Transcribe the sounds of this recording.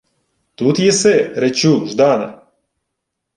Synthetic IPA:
t̪ut̪jɛsɛɾɛt͡ʃuʒd̪anɐ̰

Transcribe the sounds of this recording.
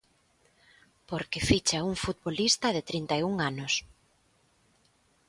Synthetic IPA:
poɾkɪfit͡ʃauŋfut̪̚bβolist̪ɐðɪt̪ɾint̪ajuŋanʊs

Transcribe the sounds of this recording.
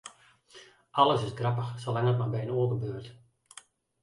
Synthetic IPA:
ɑlˠəsɪsɡrɑpəxsolaŋət̚marbɛjənoːɡəbøːrt

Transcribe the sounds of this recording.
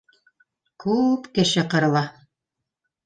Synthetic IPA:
kʉpkɘ̆ʃɘqɤ̆ɾɤ̆lˠɑ

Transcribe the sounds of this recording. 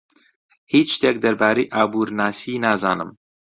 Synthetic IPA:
hiːt͡ʃʃt̪eːk̚d̪ɐɾbaːɾejʔaːbuːɾnaːsiːnaːza̰ːnɨ̰m

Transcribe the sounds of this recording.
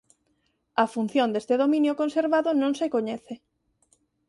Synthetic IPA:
ɐfun̟θjond̪est̪eðomĩnjokonseɾβaðʊnõŋsekoɲɛθe

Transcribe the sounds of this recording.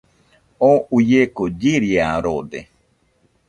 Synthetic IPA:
oujekod͡ʒiɾiaɾod̪e

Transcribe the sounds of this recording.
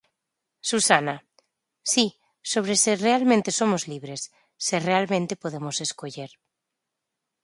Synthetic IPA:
susana | si | soβ̞ɾeserealmẽnt̪eso̞mozliβ̞ɾesː | erealmẽnt̪e̞po̞ð̞emose̞skoʎeɾ

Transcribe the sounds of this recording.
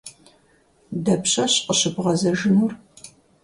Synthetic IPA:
dɐpɕʼɐɕqəɕɨbʁɐzɐʒɨnur

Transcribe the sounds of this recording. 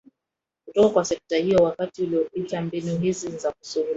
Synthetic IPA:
kutɔkakwasɛk̚tahijɔwakatiuliɔpitambinuɦizizakusuhul

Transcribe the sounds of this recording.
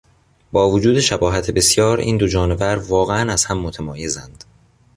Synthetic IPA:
bɒːvod͡ʒuːd̪e̞ʃæbɒːɦæt̪ʰebe̞sjɒːɾḭːnd̪o̞d͡ʒɒːne̞væɾvɒːɣeænæz̥hæmːot̪ʰæmɒːje̞zænd̪̥

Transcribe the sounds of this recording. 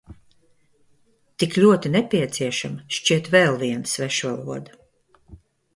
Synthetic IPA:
t̪iklʲuɔt̪inɛpʲiɛt̪siɛʃamʃt͡ʃiɛt̪vɛlˠviɛnsvɛʃvalˠuɔd̪a

